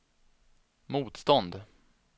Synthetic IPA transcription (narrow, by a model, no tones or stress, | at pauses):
muːt̪st̪ɔnd̪